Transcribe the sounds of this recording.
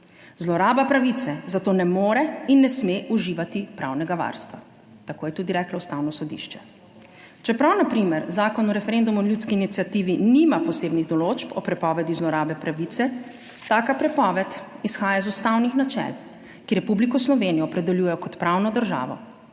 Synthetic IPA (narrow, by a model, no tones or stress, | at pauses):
zlɔɾaːbapɾaʋit̪sɛzat̪oːnɛmoːɾɛinːɛsmeʔuʒiːʋat̪ipɾa̰wnɛɡaʋa̰ɾst̪ʋa̰ | t̪akoːjɛt̪uːd̪iɾɛːklɔust̪awnɔsɔd̪ḭʃt͡ʃɛ̥ | t͡ʃɛpɾawnapɾimɛɾzaːkɔnɔɾɛfɛɾend̪umuljuːt̪skiːnit̪sʲjat̪iːʋinimapɔseːbniɣd̪ɔlot͡ʃpɔpɾɛpɔʋɛd̪izlɔɾaːbɛpɾaʋit̪sɛ | t̪aːkapɾɛpɔːʋɛt̪isxaːjazust̪awnixnat͡ʃɛ̰l | kiɾɛpublikɔslɔʋenijɔpɾɛd̪ɛljuːjɛjɔkɔt̪pɾawnɔd̪əɾʒa̰ːʋɔ̰